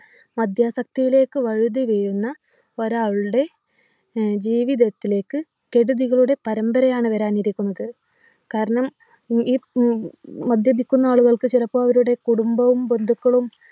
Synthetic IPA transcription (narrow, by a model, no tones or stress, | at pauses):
mɐd̪ʱjaːsɐk̚t̪ijile̞ːkːɨʋɐɻuðiʋeːɻunːɐ | oɾaːɻuɽe̞ | d͡ʑiːʋiðɐt̪ːile̞ːkːɨ | ke̞ɽuðiɣɐɭuɽe̞pɐɾɐmbɐɾɐjaːɳɨʋɐɾaːniɾikʲːunːɐðɨ | kaːɾɐɳɐm | iː | mɐd̪ʱjɐbikʲːunːɐaːɭuɣɐɭkɨt͡ɕilɐpːoːɐʋɐɾuɽe̞kuɽumbɐʋumbe̞nd̪ʱukːɐɭum